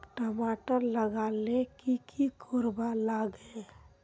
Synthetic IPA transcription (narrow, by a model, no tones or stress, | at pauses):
ʈəmaːʈəɾləɡalekikʰikʰoɾbalaɡe